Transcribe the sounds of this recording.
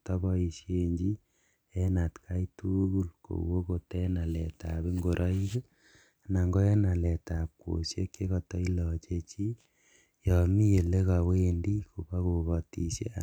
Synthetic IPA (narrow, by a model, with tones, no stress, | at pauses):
tɔ˦bɔ˦i˨sjeɲd͡ʒi˦ | ɛ˦na˨tkʰa˦itu˦ku˦lko̰˨wo˦ko˨tɛ˦na˨lɛ˨ta˨pe˦ŋɡo˨ɾʔɔ˦i˦ke˦ | na˨ŋɡo˦ɛ˦na˨lɛ˨ta˨p̚ko̰˨sje˦kje˦kɔ˨tɔ˦i˦lɔ˨t͡ʃe˦t͡ʃi˦ | jɔ˨mi˦je˨le˦ka˨wo˦e˦ndi˦ko˨pa˦ko˨kɔ˨ti˨sjḛ˦a